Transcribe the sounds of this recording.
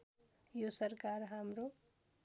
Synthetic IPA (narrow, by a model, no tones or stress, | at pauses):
josʌrkarɦamɾo